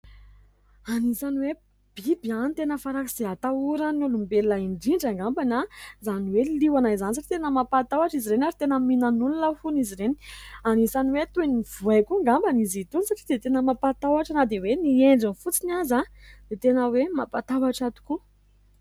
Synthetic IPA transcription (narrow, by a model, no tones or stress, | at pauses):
anisaniwe | b̥ibianit̪enəfaɾakiz̥eat̪auɾənulumbellaiɳɖ͡ʐiɳɖ͡ʐaŋɡambanazaniweliwanajzanis̬aʈ͡ʂi̥t̪enəmapat̪awaʈ͡ʂiziɾenaɾit̪enəminanulunəfuniziɾeni̥anisaniwet̪univ̥uakuŋɡambanizit̪unisaʈ͡ʂid̪et̪enəmapat̪awaʈ͡ʂanad̪ewenieɳɖ͡ʐinifut͡sinazad̪̥et̪enəwemapat̪awaʈ͡ʂat̪u̥ku